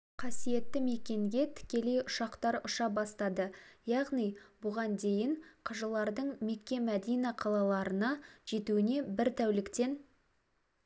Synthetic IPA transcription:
qʰɑsije̞t̪ːɪme̞kʲe̞ŋɡʲe̞t̪ʰɪ̥kʲe̞le̞jʊʃɑqt̪ɑɾʊʃɑbɑst̪ɑd̪əjɑʁnijbʊʁɑnd̪e̞jɪɴqʰəʒəlˠɑɾd̪əɴme̞kʲːe̞mæd̪ijnɑqʰɑlˠɑlˠɑɾənɑʒ̥e̞t̪uwɪne̞bɪɾt̪ʰæwlɪkt̪e̞n

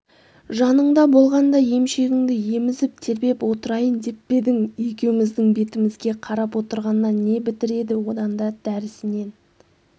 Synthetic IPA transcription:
ʒɑnəɴd̪ɑbo̞lˠʁɑnd̪ɑje̞mʃe̞ɡʲɪŋd̪ɪje̞mɪzɪp̚t̪ʰe̞ɾbe̞pwo̞t̪əɾɑjənd̪e̞pbe̞d̪ɪŋje̞kʲe̞wɪmɪzd̪ɪŋbe̞t̪ɪmɪzɡʲe̞qʰɑɾɑpwo̞t̪əɾʁɑnːɑnːe̞bɪt̪ɪɾe̞d̪ɪwo̞d̪ɑnd̪ɑd̪̥æɾɪsɪne̞n

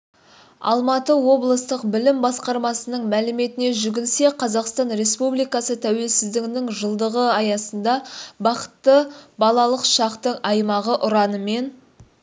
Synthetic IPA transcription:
ɑ̰lˠmɑt̪əwo̞blˠəst̪əqbɪlɪmbɑsqɑɾmɑsənəɴmælɪme̞t̪ɪne̞ʒʏɡʲɪlse̞qʰɑzɑqst̪ɑnɾe̞spublijkɑsət̪ʰæwe̞lsɪzd̪ɪknɪŋʒəlˠd̪əʁəɑjɑsənd̪ɑbɑqə̥t̪ːəbɑlˠɑlˠəqʃɑqt̪əɴɑjmɑʁəʔʊɾɑnəme̞n

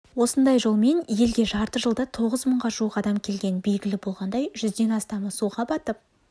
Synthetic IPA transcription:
wo̞sənd̪ɑjʒo̞lˠme̞nje̞lɡʲe̞ʒɑɾt̪əʒəlˠd̪ɑt̪ʰo̞ʁəzməɴʁɑʒuqɑd̪ɑmkʲʰe̞lɡʲe̞nbe̞lɡʲɪlɪbo̞lˠʁɑnd̪ɑjʒʏzd̪e̞nɑst̪ɑməsuʁɑbɑt̪əp̚

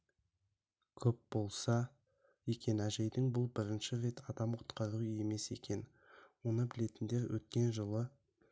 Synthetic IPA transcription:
kʲʰɵp̚bo̞lˠsɑ | je̞kʲe̞næʒe̞jd̪ɪŋbʊlˠbɪɾɪnʃɪɾe̞t̪ɑd̪ɑmqʰʊ̥t̪qʰɑɾuəe̞me̞se̞̰kʲe̞n | wo̞nəbɪle̞t̪ɪnd̪e̞ɾwʔɵ̰t̪̚kʲe̞nʒəlˠə

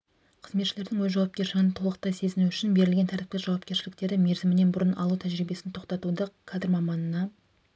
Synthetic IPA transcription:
qʰəzmet̪ʃɪle̞ɾd̪ɪŋwɵzʒɑwɑp̚kʲe̞ɾʃɪɡʲɪnət̪ʰo̞lˠəq̚t̪ɑjse̞zɪnuʏʃɪnbe̞ɾɪlɡʲe̞nt̪ʰæɾt̪ɪ̥pkʲɪsʒɑwɑp̚kʲe̞ɾʃɪlɪk̚t̪e̞ɾd̪ɪme̞ɾzɪmɪne̞nbʊɾənʔɑlˠuwt̪ʰæʒɾijbe̞sɪnt̪ʰo̞qt̪ɑt̪ud̪əqʰɑd̪ɪɾmɑmɑnənɑ

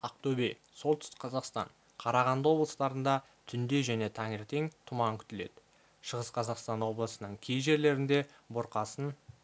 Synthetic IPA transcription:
ɑq̚t̪ɵbe | so̞lˠt̪ʰʏ̥st̪ɪ̥kqʰɑzɑqst̪ɑ̰ɴ | qʰɑɾɑʁɑnd̪əwo̞blˠəst̪ɑɾənd̪ɑ | t̪ʰʏnd̪e̞ʒæne̞t̪ʰɑŋeɾt̪e̞ŋt̪ʰʊmɑŋkʲʰʏ̥t̪ɪle̞d̪̥ɪ | ʃəʁəsqʰɑzɑqst̪ɑnwo̞blˠəsənəɴkʲʰejʒe̞ɾle̞ɾɪnd̪e̞ | bʊɾqɑsən

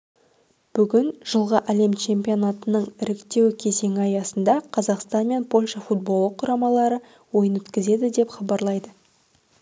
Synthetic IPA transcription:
b̥ʏɡʲɪnʒ̥əlˠʁəʔæle̞mt͡ʃʰe̞mpʲijo̞nɑt̪ənəɴɪɾɪkt̪e̞wkʲʰe̞ze̞ŋʲɪɑjɑsənd̪ɑqʰɑzɑqst̪ɑnme̞npʰo̞lʲʃɑfut̪̚bo̞lˠːəqʰːʊɾɑmɑlˠɑɾə | wo̞jənwɵt̪kʲɪze̞d̪ɪd̪e̞pχɑbɑɾlˠɑjd̪ə

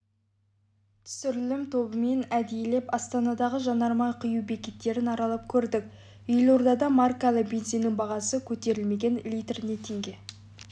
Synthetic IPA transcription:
t̪ʰʏ̥sʏɾlɪmt̪ʰo̞bəme̞næd̪ejle̞pɑst̪ɑnɑd̪ɑʁəʒɑnɑɾmɑjqʰəjuwbe̞kʲet̪ːe̞ɾɪnɑɾɑlˠəp̚kʲʰɵɾd̪ɪk̚ | ʏjlˠo̞ɾd̪ɑd̪ɑmarkalˠəqbʲenzijnɪŋbɑʁɑsəkʲʰɵt̪e̞ɾɪlme̞ɡʲe̞nlʲijt̪rne̞t̪ʰe̞ŋɡʲe̞

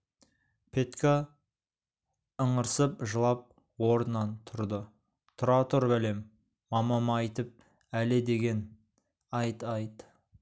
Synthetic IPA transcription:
pʰe̞t̪kʲʰa | əɴəɾsəpʒəlˠɑp̚ | woɾənːɑnt̪ʰʊɾd̪ə | t̪ʰʊɾɑt̪ʰʊɾbæle̞mː | ɑmɑmɑɑjt̪əp̚ | ælɪd̪e̞ɡʲe̞n | ɑjt̪ɑjt̪

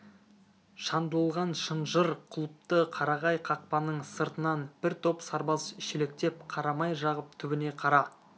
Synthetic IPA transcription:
ʃɑnd̪əlˠəlˠʁɑnʃənʒəɾqʰʊlˠəp̚t̪əqʰɑɾɑʁɑjqʰɑq̚pɑnəɴsəɾt̪ənɑnb̥ɪɾt̪ʰo̞psɑɾbɑsɪʃele̞k̚t̪e̞p̚qʰɑɾɑmɑjʒɑʁəp̚t̪ʰʏbɪne̞qʰɑɾɑ

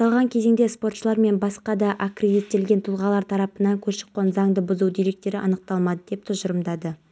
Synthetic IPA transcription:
ɑlˠʁɑŋkʲʰe̞ze̞ŋd̪e̞spo̞rt̪ʃəlˠɑɾme̞nbɑsqɑd̪ɑʔakrʲed̪it̪ːe̞lɡʲe̞nt̪ʰulˠʁɑlˠɑɾt̪ʰɑɾɑpənɑŋkʲʰɵzʃə̥qːɑnzɑŋd̪əbʊzuwd̪eɾe̞k̚t̪e̞ɾɪʔɑ̰nəq̚t̪ɑlˠmɑd̪əd̪e̞p̚t̪ʰʊzʒəɾəmd̪ɑd̪ə

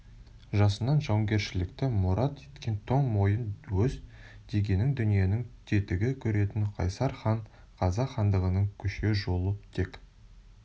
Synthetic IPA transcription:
ʒɑsənɑnʒɑwɡʲe̞ɾʃɪlɪkt̪ɪmuɾɑt̪et̪kʲent̪ʰo̞ɴmo̞jənwɵzd̪̥e̞ɡʲe̞nːɪŋd̪ʏnije̞nɪŋt̪ʰe̞t̪ɪɡʲɪkʲʰɵɾe̞t̪ɪŋqʰɑ̰jsɑɾχɑɴ | qʰɑzɑχɑnd̪əʁənəɴkʲʰʏʃe̞ʒo̞lˠəpt̪ʰe̞kʲ

